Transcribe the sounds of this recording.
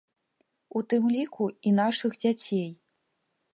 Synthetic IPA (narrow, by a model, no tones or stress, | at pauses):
ut̪ɨmlʲikʰuin̪aʂɨxd͡zʲat͡sʲej